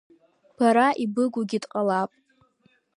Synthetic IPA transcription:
b̥aɾaʔibɨɡʷuɡʲidʼqʼalapʼ

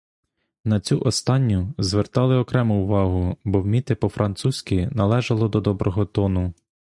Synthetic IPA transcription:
nɐt͡sʲuʔɔst̪ɑnʲːʊzʋert̪ɑlˠɪɔkɾɛmʊʊʋɑɦʊbɔwmʲit̪ɪpɔfɾɐnt̪susʲkʲinɐlˠɛʒɐlˠɔd̪ɔd̪ɔbɾʔɔɦɔt̪ɔnʊ

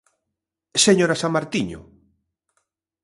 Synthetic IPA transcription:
seɲoɾasamaɾt̪iɲʊ̰

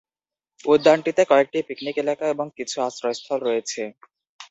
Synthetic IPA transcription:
ud̪ːaɳʈit̪ekɔek̚ʈipiknikelakaeboŋkit͡ɕʰuasɾɔest̪ʰɔlɾɔjet͡ɕʰe

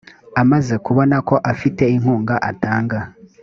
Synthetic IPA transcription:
amaze̞kuβo̞nako̞ʔafite̞iŋ̥huːŋɡaʔataːŋɡa

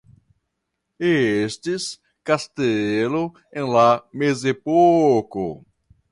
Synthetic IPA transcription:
estis | kast̪elo | ẽlamezepoko̰

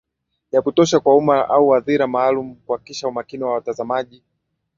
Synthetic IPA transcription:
jakutɔʃakwaumaʔauwaðiɾamaːlum̩kuhakiʃaumakiniwawatazamaʄi

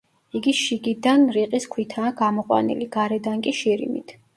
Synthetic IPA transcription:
iɡiʃiɡid̪anɾiqʼiskʰwit̪ʰaːɡamɔqʼwa̰nḭliɡ̥aɾɛd̪aŋkʼiʃiɾḭmḭt̪ʰ

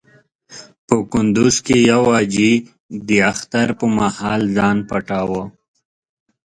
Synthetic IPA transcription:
pəkʊnd̪uzkejawɑd͡ʒi | d̪iaxt̪aɾpəmahɑːlzɑːnpaʈawə

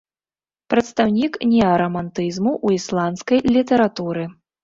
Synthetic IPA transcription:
pɾɐt̪st̪awnʲiknʲɛɐɾɐmant̪ɨzmuʔuislˠanskɐjlʲit̪ɛɾat̪uɾɨ

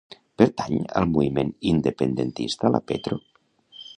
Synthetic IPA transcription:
peɾt̪aɲə̰lˠmuβimenind̪epend̪ent̪ist̪ala̰pet̪ɾo

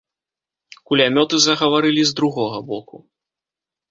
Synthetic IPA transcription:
kulʲamʲɔt̪ɨzɐɣɐvaɾɨlʲizd̪ɾuɣɔɣɐbɔku

